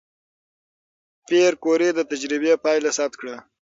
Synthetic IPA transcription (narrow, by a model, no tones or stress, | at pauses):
peɾkoɾed̪ət̪ad͡ʒɾɪbepɑjlasap̚t̪̚kɽa